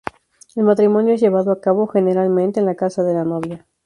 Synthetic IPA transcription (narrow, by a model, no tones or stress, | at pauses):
elmat̪ɾimo̞njoezʝe̞βaðoakaβo̞xe̞ne̞ɾalmẽnt̪eːnlakasaðe̞lanoβja